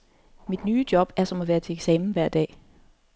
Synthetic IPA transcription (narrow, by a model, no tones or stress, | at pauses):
mid̥nyːd̥jɒ̽b̥æɐsɒ̽mɒʋæːɐt͡sʰe̝eɡ̥sɛːmn̩ʋæɐ̰d̥ɛ̰ː